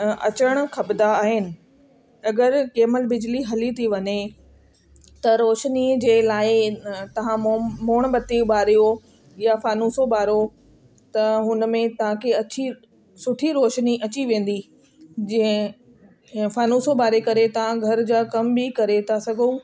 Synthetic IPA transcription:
ɐ̰t͡ɕəɽ̃̆kʰɐbd̪aːɦɪnɪ̆ | ɐɡəɾkeːməlbɪd͡ʑliɦɐlit̪ʰiʋɐɲe | t̪ɐɾoːʃnid͡ʑeːlaːɪt̪ɐʋ̤ãmoːɽ̃bɐt̪ibaːɾijo | jafaːnuːsobaːɾo | t̪ɐɦʊnmẽt̪ɐʋ̤ãkʰeɐt͡ɕi | sʊʈʰiɾoːʃniʔɐt͡ɕiʋẽːn̆d̪i | d͡ʑɐ̃ẽ | faːnuːsobaːɾekɐɾet̪ɐʋ̤ãɡʱɐɾd͡ʑaːkɐmbikɐɾet̪ʰasɐɡʱo

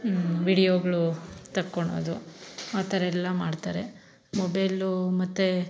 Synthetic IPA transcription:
ʋiːɽijoːɡɐɭut̪ɐkːoɳo̰ːd̪uaːt̪ɐɾɐɛlːɐmaːɖt̪aːɾe | mɔbɐjlumɐt̪ːe

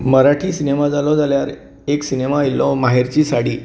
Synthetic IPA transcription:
məɾaʈʰiːsinemad͡zalɔd͡zaljaɾ | eksinemailɔmaɦeɾt͡ɕiːsaɽ̤iː

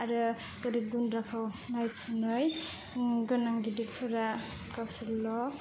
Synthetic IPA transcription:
aɾɯ | ɡ̥ɯɾik̚dunɾakʰɯwnajsunɯj | ɡɯnaŋɡidik̚pʰɯɾa | kawsɯɾlɔ

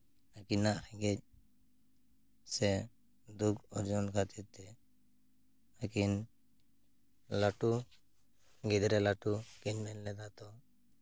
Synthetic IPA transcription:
akinaʔhʰɛɡɛc̚ | sɛ | d̪ukʰɔɾd͡ʒunkʰat̪ʰit̪ɛ | akin | laʈu | ɡid̪ɾɛlaʈukinmɛnlɛd̪at̪ɔ

